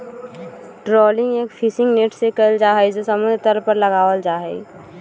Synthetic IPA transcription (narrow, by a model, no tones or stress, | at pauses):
ʈɾɔːlɪ̃ŋɡeːkfʰɪsɪ̃ŋɡneːʈsekəld͡ʒaːɦɛd͡ʒosəmʊ̃nd̪ʱɾt̪əɾpəɾləɡaːʋəld͡ʒaːɦɛ̰